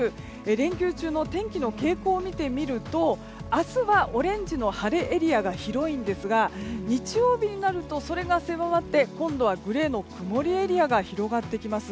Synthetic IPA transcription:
ɯ | ɾẽ̞ŋkʲɨːt͡ɕɨːno̞t̪ẽ̞ŋkʲino̞ke̞ːko̞ːmʲit̪e̞mʲiɾɯ̟t̪o̞ | asɨβaʔoɾẽ̞ɲ̟d͡ʑino̞haɾe̞ʔːɾʲiaɡaçiɾo̞ĩnd̪e̞sɨɡaɲ̟it͡ɕijo̞ːbʲiɲ̟inaɾɯ̟t̪o̞so̞ɾe̞ɡase̞βaβat̪ːe̞kõ̞nd̪o̞β̞aɡɯ̟ɾe̞ːno̞kɯ̟mo̞ɾʲie̞ɾʲiaɡaçiɾo̞ɡat̪ːe̞kʲimasɨ

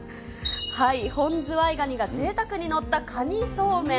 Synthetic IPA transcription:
haihõ̞nd͡zɨaiɡaɲ̟iɡaze̞ːt̪akɯ̟ɲ̟ino̞t̪ːakʰaɲ̟iso̞ːmẽ

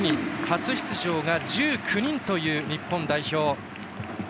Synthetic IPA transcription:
ɲʲihat͡sɨçi̥t͡sɨʑo̞ːɡad͡ʑɨːkʰɯ̟ɲ̟ĩnt̪o̞jɯ̟ːɲ̟ipːõnd̪aiço̞ː

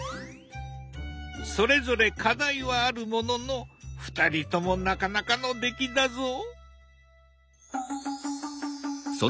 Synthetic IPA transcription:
so̞ɾe̞zo̞ɾe̞kʰad̪aiβaːɾɯ̟mo̞no̞no̞ɸɯ̟̥t̪aɾʲit̪o̞mo̞nakanakano̞d̪e̞kʲid̪azo | so

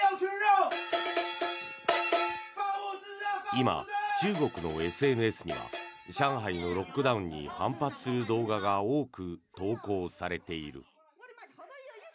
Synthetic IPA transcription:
ima̰t͡ɕɨːɡo̞kɯ̟no̞̰e̞sɨe̞nɯ̟e̞sɨɲ̟ḭβa̰ɕãɰ̃ɦaino̞ɾo̞kːɯ̟d̪aɯ̟̃ɲ̟ːḭhãmpat͡sɨ̥sɨɾɯ̟d̪o̞ːɡaɡao̞ːkɯ̟t̪o̞ːko̞ːsaɾe̞t̪e̞iɾɯ̟̰

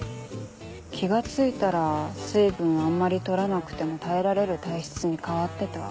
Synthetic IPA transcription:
kʲʰiɡat͡sɨit̪aɾasɨːbɯ̟̃ɰ̃amːaɾʲit̪o̞ɾanakɯ̟̥t̪e̞mo̞t̪ae̞ɾaɾe̞ɾɯ̟t̪aiɕi̥t͡sɨɲ̟ikaβat̪ːe̞t̪a̰

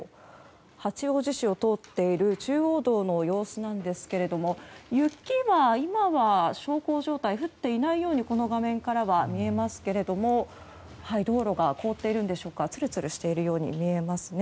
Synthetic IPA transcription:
hat͡ɕio̞ːʑiɕio̞t̪o̞ːt̪ːe̞iɾɯ̟t͡ɕɨːo̞ːd̪o̞ːno̞jo̞ːsɨnãnd̪e̞sɨ̥ke̞ɾe̞d̪o̞mo̞jɯ̟kʲːiβaimaβaɕo̞ːko̞ːʑo̞ːt̪aiɸɯ̟t̪ːe̞inaijo̞ːɲ̟iko̞no̞ɡamẽ̞ŋkaɾaβamʲie̞masɨ̥ke̞ɾe̞d̪o̞mo̞ | haid̪o̞ːɾo̞ɡako̞ːt̪ːe̞iɾɯ̟̃nd̪e̞ɕo̞ːkat͡sɨɾɯ̟t͡sɨɾɯ̟ɕi̥t̪e̞iɾɯ̟jo̞ːɲ̟ḭmʲie̞masɨne

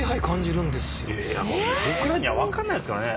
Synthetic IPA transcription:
eɦaikãɲ̟d͡ʑiɾɯ̟̃nd̪esɨ̥ja̰modokɯnãɲ̟ːiβaβakãnːaiesɨ̥kaɾne

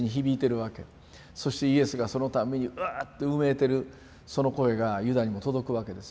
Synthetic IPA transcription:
ɲ̟içibʲiːt̪e̞ɾɯ̟βake̞ | so̞ɕi̥t̪e̞ie̞sɨɡaso̞no̞t̪ame̞ɲ̟iɯaːt̪ːe̞ɯme̞ːt̪e̞ɾɯ̟ | so̞no̞ko̞e̞ɡajɯ̟d̪aɲ̟imo̞t̪o̞d̪o̞kɯ̟βake̞d̪e̞s

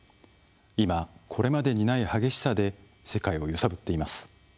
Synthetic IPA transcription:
imakʰo̞ɾe̞mad̪e̞ɲ̟inaihaɡe̞ɕi̥sad̪e̞ | se̞kaio̞jɯsabɯ̟t̪ːe̞imasɨ̥

